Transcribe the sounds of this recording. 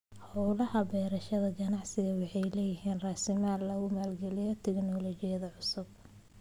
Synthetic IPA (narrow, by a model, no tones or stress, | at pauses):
hɔwlɐhɐbɛːɾɐʃɐðɐɡɐnɑʕsɪɣɐwɑħɑjlɛːjɪɦiːnrɑːsɪmaːd̪lɐɣʊmaːlɡɛlɪjɔt̪ʰɛɡnɔlɔːt͡ʃɪjɐðɐʕʊsʊb̚